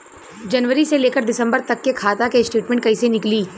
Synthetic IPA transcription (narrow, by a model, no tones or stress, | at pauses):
d͡ʒɐnʋəɾiseleːkəɾɖɪsə̃mbəɾt̪ɐkːekʰaːt̪akesʈeːʈmɛ̃ɳʈ̚kɐisenɪkliː